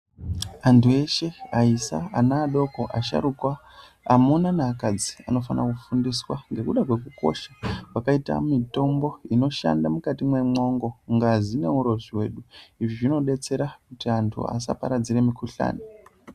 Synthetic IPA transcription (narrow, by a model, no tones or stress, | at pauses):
antʰue̞ʃe̞aisa̰anaːɗo̞ko̞ʔaʃa̰ɾukwaː | munanaːkad͡zi̥a̰no̞fanakufundiswaŋɡe̞kuɗakwe̞kuko̞̰ʃḁwakaita̰mito̞mbo̞ino̞ʃa̰ndamukatimwe̞mo̞ŋɡo̞ŋɡazine̞uɾo̞ʐiwe̞ːɗuiʐiʐino̞ɗe̞t͡se̞ɾakutiantʰṵa̰sa̰paɾad͡ziɾe̞mikuɬa̰ːne